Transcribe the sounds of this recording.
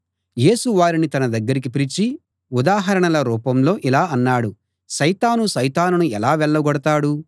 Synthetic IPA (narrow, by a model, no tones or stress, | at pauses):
je̞ːsuʋaːɾinit̪ɐnɐd̪ɐɡːɐɾik̬ipiɾit͡ʃi | ud̪aːɦɐɾɐɳɐlɐɾuːpɐmlo̞ːʔilaːɐnːaːɽu | ʃɐjt̪aːnuʃɐjt̪aːnunuɛlaːʋɛɭːɐɡɔɽɐt̪aːɽu